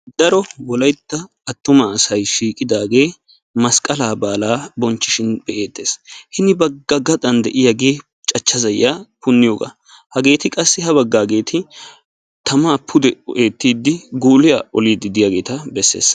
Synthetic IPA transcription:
d̪̥ɐɾɔwɔlɐjt̪ːɐː | t̪ːʊmɐːsɐjʃiːkʼɪd̪aːɡe̞ː | mɐskʼɐlaːbaːlaːbɔnt͡ʃːɪʃɪnb̥ɛʔeːt̪ːe̞ːshɪnɪbɐɡːɐɡɐd̪ʼɐnd̪ɛʔɪjaɡeː | t͡ʃʼɐt͡ʃːɐzɐjːaːpʊnːɪjoːɡa̰ | hɐɡe̞ːt̪ɪkʼɐsːɪhɐbɐɡːaːɡe̞ːt̪ʰɪ | t̪ʰɐmaːpʰːʊd̪ɛɔʔeːt̪ːiːd̪ːɪɡoːlɪja̰ɔliːd̪ɪd̪ɪjaɡe̞ːt̪ɐbɛsːḛːs

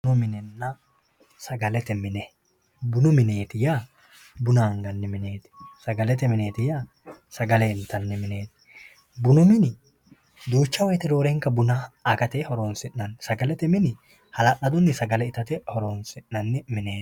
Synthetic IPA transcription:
nɔmɪnɛnːɐ | sɐɡɐlɛt̪ɛmɪnɛ | bʊnʊmɪne̞ːt̪ɪjaː | bʊnaŋɡɐnːɪmɪneːt̪ɪ̥sɐɡɐlɛt̪ɛmɪne̞ːt̪ɪja | sɐɡɐlɛɪnt̪ɐnːɪmɪneːt̪ɪ̥ | bʊnʊmɪnɪ | d̪uːt͡ʃːɐwɛjt̪ɛɾo̞ːɾeːŋkɐbʊnaakɐt̪ehɔɾoːnsɪnnɐnːɪsɐɡɐlɛt̪ɛmɪnɪ | hɐlɐʔɐd̪ɔnːɪsɐɡɐlɛɪt̪ɐt̪ɛhɔɾoːnsɪnːɐnːɪmɪneː

